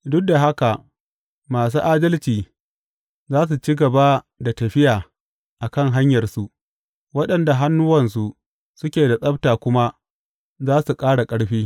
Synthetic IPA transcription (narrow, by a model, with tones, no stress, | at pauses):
dʊ˦k̚da˨ɦa˦ka˨ʔ | maː˨s̬uː˦ʔaː˦dɐ˦lt͡ʃiː˨ | zaː˦s̬u˨t͡ʃi˦ɡɐ˨ba˦ | da˨tɐ˨ɸɪ˦jaː˨ | ʔa˨kɐ˦˨ŋɦa˦ɲjɐ˨rsu˦ʔ | wɐ˦ɗɐ˨nda˨ɦa˦nːʊ˦wɐ˨ns̬u˨ʔ | sʊ˦kʲeː˨da˨sʼɐ˦btaː˨kʷʊ˦ma˦ | zaː˦su˨kʼaː˦ɽa˨kʼɐ˦ɽɸiː˦